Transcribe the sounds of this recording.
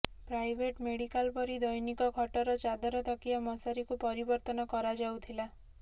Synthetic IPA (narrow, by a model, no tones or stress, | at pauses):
pɾajbʱeʈmeɽikalpɔɾid̪ɔjnikɔkʰɔʈɔɾɔt͡ʃad̪ɔɾɔt̪ʰɔkijamɔsaɾikupɔɾibɔɾt̪ɔnɔkɔɾad͡ʒawt̪ʰila